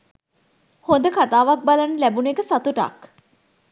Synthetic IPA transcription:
hond̪əkat̪aːʋak̚balənəlæbunekəsat̪uʈa̰k

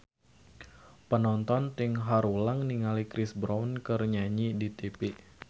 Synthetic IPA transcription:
pənɔnt̪ɔnt̪ɪŋɦaɾulaŋniŋalikɾɪsbɾawnkərɲaɲidit̪epe

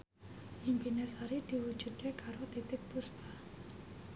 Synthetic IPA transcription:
ʔimpinesaɾid̪̥iwud̥d͡ʒ̥ṳd̪̥ekʰaɾot̪it̪ɪk̚puspa

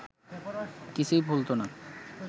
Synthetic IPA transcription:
kit͡ɕʰujbʱult̪ona

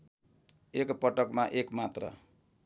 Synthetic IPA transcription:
ekpʌʈʌkmaʔekmat̪rʌ̰

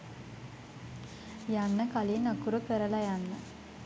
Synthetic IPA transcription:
janːəkalinakuɾəkəɾəlajanːə

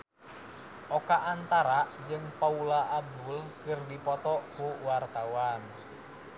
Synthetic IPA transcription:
ʔɔkaʔant̪aɾad͡ʒɨŋpaulaʔab̚d̪ulkɨrdipɔt̪ɔkuwart̪awan

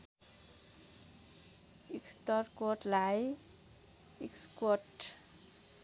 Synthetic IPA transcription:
iksʈʌrkoʈlaj | ikskoʈ

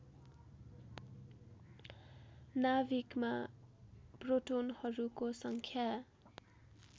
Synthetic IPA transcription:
nabikma | proʈonhʌɾukosʌŋkʰja

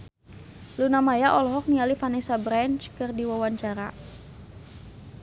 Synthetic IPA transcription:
lunamajaʔɔlɔɦɔk̚nialifanɛsabɾant͡ʃkərdiwawaɲt͡ʃaɾa̰

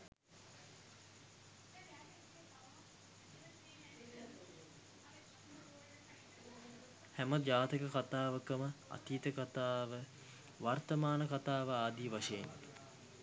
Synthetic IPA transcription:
hɛməd͡ʒaːt̪ikəkat̪aːʋəkəməa̰t̪iːt̪əkat̪aːʋə | ʋart̪əmaːnəkat̪aːʋəaːd̪iːʋaʂejḛn

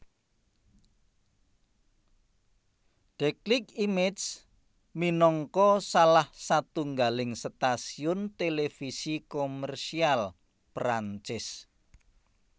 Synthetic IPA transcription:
ɖ̥ɛklɪkimes | minɔŋkɔsalahsat̪uŋɡalɪŋst̪asiʊnt̪elefisikomɛrsial | pɾaɲt͡ʃɪs

